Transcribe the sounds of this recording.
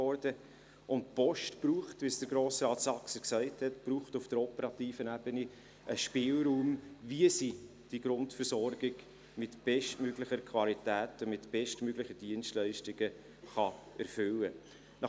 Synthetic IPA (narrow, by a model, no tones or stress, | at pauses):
ɔɾd̥ə | ʊntpɔʃtpɾuːχtvʋisd̥əɾɡɾoːsɾɑːtsɑksəksæɪthɛtb̥ɾuːχtʊfd̥əɾɔpəɾɑtiːfənæbəni | ʔəʃpɪːlɾuːmviəsi | d̥iɡɾʊntfəɾsɔɾɡ̥ɪɡ̥ | mɪtb̥ɛʃtmøɡlɪχəɾkʰvɑlitæːtəmɪtb̥ɛʃtmøɡlɪχəd̥iənstlæɪʃtɪɡ̥ə | χɑɛ̰ɾfʏlːə | nɑ